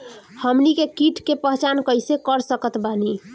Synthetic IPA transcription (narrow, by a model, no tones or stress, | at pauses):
həmnikekiʈʰkepəɦt͡ʃankəjsekəɾsəkət̪bani